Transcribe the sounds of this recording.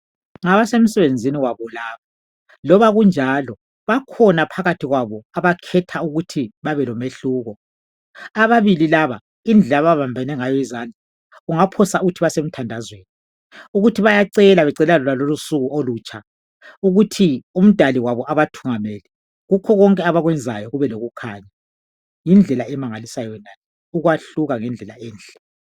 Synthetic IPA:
ŋaβasem̩sɛβend͡zʱiniwaβɔlaːβa | lɔβaɣund͡ʒʱalɔ | βakʰɔnapʰaɣatʰiɣwaβɔaβakʰɛtʰauɣutʰiβaβɛlɔmeɬuːɣɔ | aβaβililaβa | ind͡ɮʱɛaβaβambʱɛnɛŋajɔizand͡ɮʱa | uŋapʰɔsauɣutʰiβasem̩tʰandʱazweːni | uɣutʰiβajaǀɛlaβɛǀɛlɛalɔlalolusuɣuʔoluːt͡ʃʰʼa | uɣutʰium̩d̥ʱaliwaβɔʔaβatʰuŋamɛli | ɣukʰɔɣɔŋkʼɛaβaɣwɛnd͡zʱa̰jɔɣuβɛloɣukʰaːɲa | jind͡ɮʱɛlaɛmaŋalisajɔnajɛ | uɣwaɬuɣaŋɛnd͡ɮʱɛla̰ɛːnd͡ɮɛ̥

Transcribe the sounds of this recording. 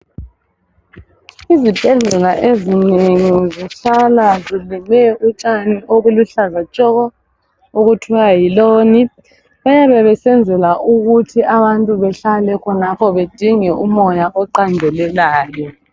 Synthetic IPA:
izib̥ʱɛɮɛlaʔezineŋiziɬalazilimɛut͡ʃʼaniʔoɣuluɬazat͡ʃʼɔɣɔ | oɣutʰɔajiloːni | βajaβɛβɛsɛnd͡zʱɛlaʔuɣutʰiaβantʼuβɛɬalɛkʰɔnapʰɔβed̥ʱiŋɛumɔjaʔɔǃandʱɛlɛlaːjɔ

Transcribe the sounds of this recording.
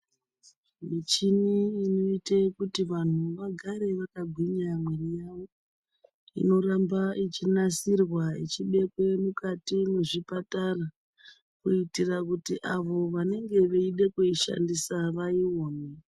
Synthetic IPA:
mit͡ʃiniino̞itekutiʋan̤uʋaɡʱaɾe̞ʋakaɡʱwiɲamwerijaʋo̞ | ḭno̞ɾambait͡ʃinasirwaḭt͡ʃiɓe̞kwe̞mukatimeʐipatara | kuitirakutiʔaʋo̞ʋane̞ŋɡe̞ʋeiɗe̞kuiʃa̰ndisaʋaiwo̞ːne

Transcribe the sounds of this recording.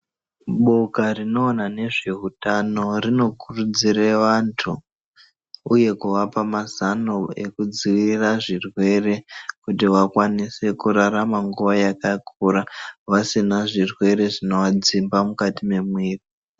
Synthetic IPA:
ɓo̞karino̞ːnane̞ʐe̞ɦutano̞rino̞kurud͡ziɾeʋantʰu | uje̞kuʋapamazanoe̞̰kud͡ziʋiiraʐirwe̞re̞kutiʋakwanise̞kuɾaɾamaŋɡuʋajakakʰuɾaʋasinaʐirwe̞ɾe̞ʐino̞ʋad͡zimbamukatime̞mwiːri

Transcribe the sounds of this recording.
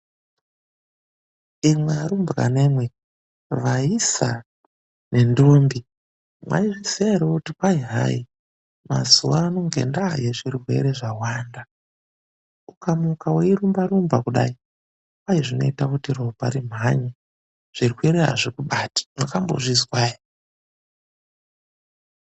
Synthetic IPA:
imwaaɾumbra̰ne̞mwe | ʋaisa̰ | ne̞ndoːmbi | mwa̰iʐiseeɾoutikwaiɦa̰i | ma̰zuwanoŋɡe̞̰ndajeʐiriɦwe̞̰ɾe̞ʐawaːnda | ukamukaweiɾumbaɾumbakuɗa̰i | kwaiʐino̞̰itakutirobʱaɾim̤aɲe | ʐ̥irikueɾeɦa̰ʐikuɓatḁmwakambo̰ʐizwai

